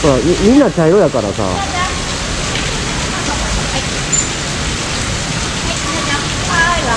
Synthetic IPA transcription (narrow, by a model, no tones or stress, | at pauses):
oɾaimĩnːat͡ɕaiɾojakaɾa̰sa̰